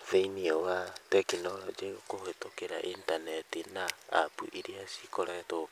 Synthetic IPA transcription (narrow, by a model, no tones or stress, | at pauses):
veiniowatekinɔɾad͡ʒekohetokeɾaʔintanetina̰ːpṵʔiɾiasikoɾɛto